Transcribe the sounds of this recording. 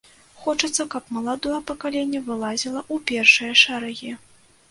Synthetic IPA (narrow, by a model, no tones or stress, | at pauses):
xɔt͡ʂɐt̪sːɐkɐpmɐlˠad̪ɔjɐpɐkalʲenʲːɛvɨlˠazʲilˠɐʔupʲɛrʂɨjɐʂaɾaɣʲi